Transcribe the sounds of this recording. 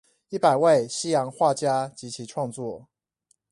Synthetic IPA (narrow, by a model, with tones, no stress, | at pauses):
i˥˩pa˨˩ɪwe˥˨ɪɕi˦jɑ˧˥ŋxwa˥˨t͡ɕja˦t͡ɕi˨˦t͡ɕʰi˨˦ʈ͡ʂʰwɑ˥˧ŋt͡swɔ˥˨